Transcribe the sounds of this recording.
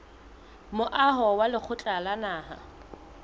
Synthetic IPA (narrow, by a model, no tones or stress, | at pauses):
mʊʔaɦɔwalɪk͡xʰʊt͡ɬʼalanaːɦa̰